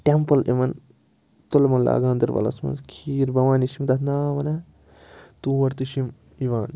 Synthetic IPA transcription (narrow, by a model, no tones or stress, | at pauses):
ʈempɐlʔimɐn | t̪olmɐnla̰ːɡãːnd̪iɾbɐ̰lɐ̰smɐ̰nzkʰiːɾbɐʋaːniʃimd̪ɐt̪ʰnaːmɐnɐ | t̪uːʋɐɾt̪iʃim | iʋaːn